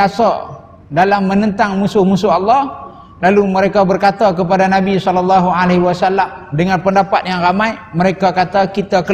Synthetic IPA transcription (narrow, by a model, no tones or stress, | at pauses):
asa̰ | dalamːənənt̪aŋmusʊhmusʊɦɑlːɑh | laluməɾekabərkat̪akəpadanabisɔlɔlːɑɦualeɦwasalːamdəŋanpəndapat̪̚jaŋramajməɾekakat̪akit̪akə